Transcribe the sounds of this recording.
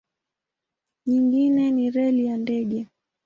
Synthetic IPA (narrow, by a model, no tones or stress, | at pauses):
ɲiŋɡinɛniɾɛlijandɛɠɛ